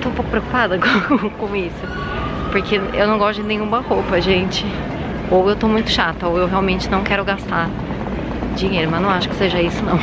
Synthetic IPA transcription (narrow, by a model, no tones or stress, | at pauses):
t̪oũpowkʊ̥pɾeoku̥pad̪ɐkõkõisʊ | poɾkʰeḛwnɐ̃w̃ɡɔst̪ʊd͡ʒɪnẽj̃ɲ̃ũmɐhowpɐʒẽt͡ʃɪ | owewt̪omũj̃t̪ʊ̥ʃat̪ɐowewɦeawmẽnt͡ʃɪnɐ̃w̃kɛɾʊɡast̪aɾ | d͡ʒĩɲejɾʊmɐznɐ̃w̃aʃʊkɪ̥seʒɐisʊnɐ̃w̃